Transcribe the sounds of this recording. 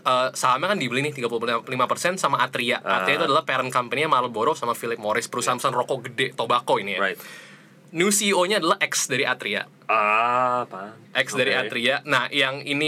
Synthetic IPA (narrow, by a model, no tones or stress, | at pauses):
əːsaɦamakandibəlinɪht̪iɡapululimapərsɛnsamaʔat̪ɾiaa̰t̪ɾiat̪uadalahpɛɾənkampəniamaɾəboɾɔsamafilɪp̚moɾɪspəɾusaɦanpəsanrokoɡədɛt̪obakoinija | nusioɲaːdalahʔɛksdaɾiʔat̪ɾia̰ | ʔɛksdaɾiaɾianahjaŋini